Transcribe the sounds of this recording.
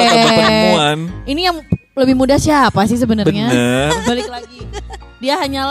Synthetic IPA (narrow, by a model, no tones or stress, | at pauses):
uaninijaŋləbɪhmudahsiapasɪhs̬əbənərɲaəbalɪk̚laɡidiaɦaɲala